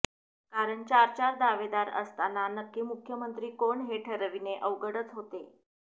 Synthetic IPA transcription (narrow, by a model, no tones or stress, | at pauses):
kaɾəɳt͡ɕaɾt͡ɕaɾd̪aʋed̪aɾə̰st̪alanəkːiːmukʰjəmənt̪ɾiːkoɳɦeʈʰəɾəʋineʔəʋɡəɽət͡sɦot̪e